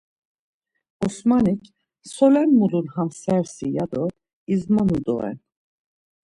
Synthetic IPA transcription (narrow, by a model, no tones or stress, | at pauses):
ɔsmanic | sɔlɛnmulunhamsɛɾsijad̪ɔ | izmanud̪o̰ɛ̰n